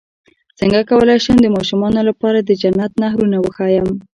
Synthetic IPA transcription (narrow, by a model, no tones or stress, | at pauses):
t͡səŋɡakawəlɑjʃəmd̪əmɑʃumɑnolapɑɾad̪əd͡ʒanːat̪naɦɾunawəxɑjəm